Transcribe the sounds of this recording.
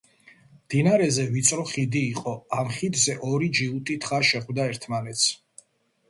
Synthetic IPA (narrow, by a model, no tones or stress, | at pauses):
md̪̥inaɾɛzɛvit̪sʼɾɔχid̪iːqʼɔamχid̪zɛʔɔɾid͡ʒiut̪ʼit̪ʰχaʃɛχwd̪aɛɾt̪ʰmanɛt̪sʰ